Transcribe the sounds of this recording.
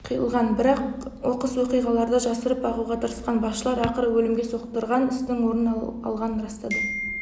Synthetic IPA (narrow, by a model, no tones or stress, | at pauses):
qʰijəlˠʁɑnbɪɾɑqwo̞qəswo̞qijʁɑlˠɑɾd̪əʒɑsəɾəp̚ɑʁuʁɑt̪ʰəɾəsqɑnbɑsʃəlˠɑɾɑqəɾwɵlɪmɡʲe̞so̞qt̪əɾʁɑnɪst̪ɪŋwo̞ɾənɑ̰lˠʁɑnənɾɑst̪ɑd̪ə